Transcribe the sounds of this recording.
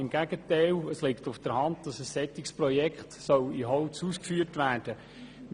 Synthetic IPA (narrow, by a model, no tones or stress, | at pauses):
ɪmɡ̥æɡətæɪləslɪktʊfd̥əɾhɑntd̥̪ɑsəsːɛt̪ɪkspɾɔjɛkχt̪sɔwiɦɔʊt͡suːskfyːrtʋæːrd̥ə